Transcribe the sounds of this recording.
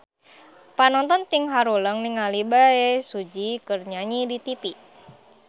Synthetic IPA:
panɔnt̪ɔnt̪iŋɦaɾuləŋniŋalibaesud͡ʒikɨrɲaɲidit̪ipi

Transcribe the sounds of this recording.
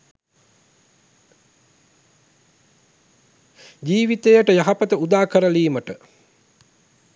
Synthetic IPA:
d͡ʒiːʋit̪ejəʈəjaɦapət̪əud̪aːkəɾəliːməʈə

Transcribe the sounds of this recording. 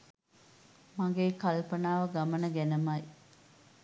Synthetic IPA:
mɐŋɡeːkɐlpɐnaːʋɐɡɐmɐnəɡænəmɐj

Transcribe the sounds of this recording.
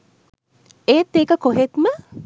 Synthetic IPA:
eːt̪ːeːkəkoɦet̪mə

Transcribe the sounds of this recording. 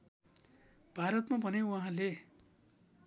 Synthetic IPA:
b̥ʱaɾʌt̪mabʱʌnewʌɦãle

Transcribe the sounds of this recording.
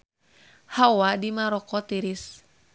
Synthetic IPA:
hawadimaɾɔkɔt̪iɾis

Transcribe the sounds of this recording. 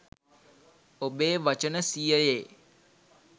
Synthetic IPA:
obeːʋat͡ʃənəsijəjeː

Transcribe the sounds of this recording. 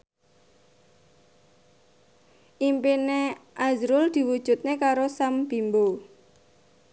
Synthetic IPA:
ʔimpineʔazɾʊld̪̥i̤wud̥ʒ̥ṳt̪̚nekaɾosamb̥imbo

